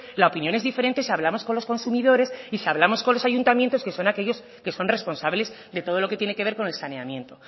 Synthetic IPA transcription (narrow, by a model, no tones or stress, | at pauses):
lao̞pinjo̞ne̞zðife̞ɾe̞nt̪e̞siaβlamosko̞nlo̞sko̞nsumiðo̞ɾe̞sisaβlamo̞sko̞nlo̞saʝunt̪amjent̪oske̞so̞nake̞ʝo̞s | ke̞so̞nre̞spo̞nsaβle̞z | d̪e̞t̪o̞ð̞o̞lo̞ket̪jenekeβe̞ɾko̞ne̞lsaneamjẽ̞nt̪o̞